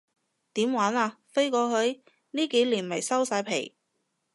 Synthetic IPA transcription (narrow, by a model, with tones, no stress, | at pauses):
t̪iː˨˥mwaː˨˥naː˧fe˥jkɔː˨˥hɵ˨˥ɥ | niː˥ke˨˥jliː˨˩nmɐ˨˩jsɐ˥wsaː˧jpʰe˨˩j